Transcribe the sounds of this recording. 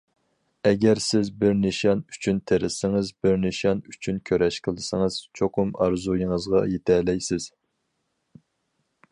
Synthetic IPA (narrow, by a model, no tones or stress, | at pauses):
ɛɡʲɛɾsɪzbɪɾnɨʃɑny̥t͡ʃʰynt̪ʰeɾɪsɪŋɨzbɪɾnɨʃɑnyt͡ʃʰynkʲʰøɾʔɛʃqʰəlˠɨsɨŋəz̥t͡ʃʰoqʰʊmɑɾzujiŋəzʁɑ̰jet̪ʰɛlɛjsɪz̥